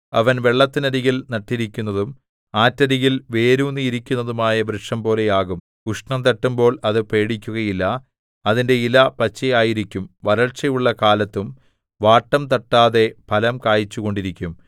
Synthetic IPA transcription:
ɐʋɐnʋe̞ɭːɐt̪ːinɐɾiɣilnɐʈːiɾikʲːunːɐðum | aːtːɐɾiɣilʋe̞ːɾuːnːiiɾikʲːunːɐðumaːjɐbɾɨʂɐmpo̞ːle̞jaːɣum | kuʂɳɐmt̪ɐʈːumbo̞ːɭɐðɨpe̞ːɽikʲːuɣɐjilːɐ | ɐðinde̞ilɐpɐt͡ɕːɐjaːjiɾikʲːumʋɐɾɐɭt͡ɕːɐjuɭːɐkaːlɐt̪ːum | ʋaːʈːɐmt̪ɐʈːaːðe̞pɐlɐmkaːjit͡ɕːuɣo̞ɳɖiɾikʲːum

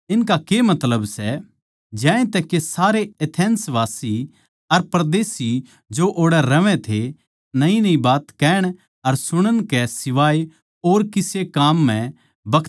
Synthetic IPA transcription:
ɪnkakemɐt̪ləbsɛ | d͡ʒɛ̃ːẽt̪ɛkesaːɾeɐt̪ʰɛ̃ːnsʋaːsi | ɐɾpɾd̪eːsi | d͡ʒoʔoːɽɛɾɐʋɛ̃t̪ʰe | nɐĩnɐĩbaːt̪kɛːɽ̃ | ɐɾsʊɽ̃əɽ̃kɛsɪʋaːe | oːɾkɪsekaːmːɛ̃ | bɐk̪ʰ

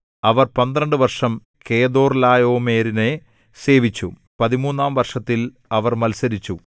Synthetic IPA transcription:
ɐʋɐrpɐnd̪ɾɐɳɖɨʋɐrʂɐm | ke̞ːd̪o̞ːrlaːjo̞ːme̞ːɾine | se̞ːʋit͡ɕːu | pɐðimuːnːaːmʋɐrʂɐt̪ːil | ɐʋɐrmɐlsɐɾit͡ɕːu

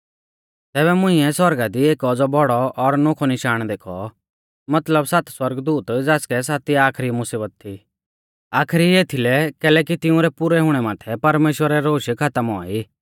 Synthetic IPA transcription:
t̪ɛːbɛmʊ̃ɪ̃ɛswɐɾɡad̪ieːkɔd͡zɔbɔɽɔʔɔɾnokʰɔnɪʃaːɽ̃d̪eːkʰɔ̰ | mɐt̪ləbsat̪swɐɾɡd̪uːt̪d͡zaːskɛs̬aːt̪iaːkʰɾimʊsiːbət̪̚t̪ʰːi | aːkʰɾieːt̪ʰilɛkɛːlɛːk̬it̪ɪʊ̃ɾɛpʊɾɛɦʊɽ̃ɛmaːt̪ʰɛpɐɾmeːʃwəɾɛɾoːʃkʰɐt̪əmɔ̰ːiː

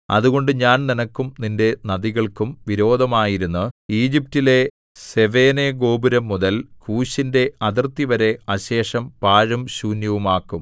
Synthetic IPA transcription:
ɐ̰ðuɣo̞ɳɖɨɲaːnninɐkːumninde̞nɐðiɣɐɭkumʋiɾo̞ːd̪ʱɐmaːjiɾunːuiːd͡ʑip̚tile̞ | se̞ʋe̞ːneɡo̞ːbuɾɐmːuðɐlkuːɕinde̞ɐðɐrt̪iʋɐɾe̞ɐɕe̞ːʂɐmpaːɻɐmɕuːnjɐʋumaːkːum

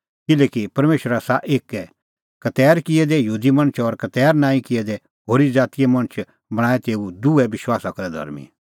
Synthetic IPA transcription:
kɪlɛːkipɐɾmeːʃɾasaʔeːkɛ | kɐt̪ɛːɾkɪɛd̪ɛjuːd̪imɐ̃ñt͡ʃʰɔɾkɐt̪ɛːɾnãːĩkɪɛd̪ɛ | ɦoːɾid͡zaːt̪ɪjɛmɐ̃ɽ̃t͡ʃʰ | bɐɽ̃aːɛt̪eːud̪uɛʋɪʃwaːsakɐɾɛd̪ʱɐ̰ɾmḭ̃

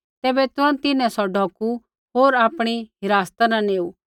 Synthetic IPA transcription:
t̪ɛːbɛt̪ʊãt̪ɪnɛ̃sɔɖʱɔːku | ɦoːɾaːpɽ̃iɦɪɾaːst̪anãneːu

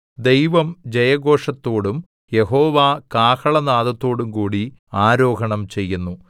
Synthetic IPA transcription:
d̪e̞jʋɐmd͡ʑɐjɐɡo̞ːʂɐt̪ːo̞ːɽum | je̞ɦo̞ːʋaːkaːkɐɭɐnaːðɐt̪ːo̞ːɽumkuːɽi | aːɾo̞ːɡʱɐɳɐmt͡ɕe̞jːunːu

